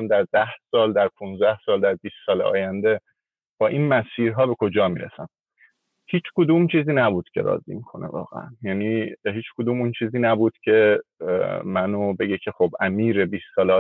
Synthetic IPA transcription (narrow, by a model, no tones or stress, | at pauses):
md̪æɾd̪æhsɒːld̪æɾpʰunzd̪æhsɒːld̪æɾbiːsːɒːleɒ̰ːjænd̪e̞ | b̥ɒːʔiːnmæsiːɾɦɒːbe̞kʰo̞d͡ʒɒːmiːɾḛsæm | hiːt͡ʃʰkʰod̪uːmt͡ʃʰiːziːnæbuːd̪̥cʰe̞̰ɾɒ̰ːzḭmikʰo̞̰nʔe̞̰vɒ̰ːɣḛæ̰njæniːɦiːt͡ʃʰkʰod̪uːmunt͡ʃʰiːziːnæbuːd̪̥cʰe̞ | mænobe̞ɡecʰe̞xobʔæmiːɾebiːsːɒːleː